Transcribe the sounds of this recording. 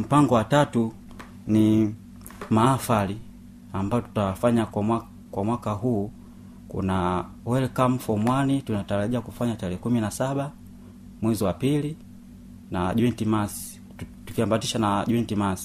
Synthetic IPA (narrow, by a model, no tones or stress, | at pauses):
m̩paŋɡɔwatatu | ni | maːfali | ambajɔtu̥tawafaɲakwamwa | kwamwakaɦuː | kṵna | wɛlɛkam̩fɔmwanitunataɾaʄiakufaɲatalɛːkuminasaɓa | mwɛziwapili | naʄuɛntimasi̥ | tukiambatiʃanaɟuɛntimasi̥